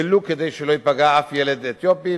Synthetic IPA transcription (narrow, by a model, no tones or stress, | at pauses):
eluked̪ejʃeloipaɡaafjeled̪et̪jopi